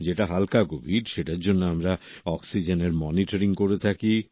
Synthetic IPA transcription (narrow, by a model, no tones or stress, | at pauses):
d͡ʑeʈaɦalkaɡobʱiɖʃeʈaɾd͡ʑonːoamɾaɔksid͡ʑeneɾmɔniʈaɾiŋkoɾet̪ʰaki